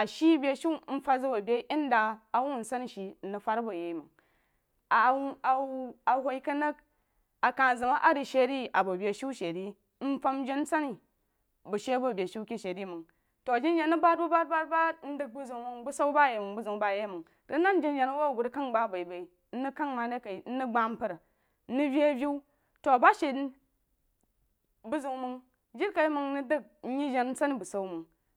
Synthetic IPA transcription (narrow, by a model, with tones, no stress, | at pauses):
a˨ʃi˦bʲe˨ʃi˦n̩˦fa˦zɨ˦ba˨bʲe˦ʔi˦n˦daː˨wu˦˨n̩˨sa˦n˨ʃi˨n̩˦nu˨fa˦ɾbɐ˨je˨˦mu˨ŋ | a˨˦a˨a˨ɦʷo˨i˦kɐ˦nɐ˦k̚ | a˨ka˨zɨ˨ma˦ʔa˦ɾi˨ʃe˨˦ɾi˦ʔa˨bɐ˨bʲe˨ʃi˦ʃe˨ɾi˦ | n̩˦fa˦m˦d͡ʒi˦n˦sa˦ni˨ | bu˨ʃe˦bɐ˦˨bʲe˨ʃi˦kʲi˦ʃe˨ɾi˦˨mu˨ŋ | to˨d͡ʒi˦n˦d͡ʒe˨nɨ˦ba˦t̚bu˦ba˦t̚ba˦t̚ba˦n̩˦dɨ˦k̚bu˦zu˨ŋmu˧ŋbu˦sa˦wba˦˨je˨mu˨ŋbu˦zu˨ŋba˦˨je˦mu˨ŋ | to˨˦na˦n˦d͡ʒi˦nd͡ʒe˨nu˦wa˦˨ɡu˨ɾka˦ŋ˦ba˦˨ba˨i˨ba˨i˨ | n̩˦ni˦ka˦ŋma˨de˦ka˨i˨n̩˦nɨ˦ɡ͡ba˨m̩˦pɐ˨ɾ | nu˦bʲi˦a˦bʲi˦w | to˨a˨ba˦ʃe˨ | bu˦zu˨ŋmɨ˧ŋ | d͡ʒi˦ɾka˨i˦mɨ˧ŋni˦dɨ˦k̩̚˦ɲi˦d͡ʒe˨n̩˦t͡sa˦ni˦bu˨sa˦u˦mɨ˨ŋ